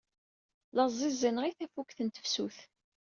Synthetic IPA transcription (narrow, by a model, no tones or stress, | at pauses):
ləzˤizənʁiθæfukθənt̪ə̥fsuθ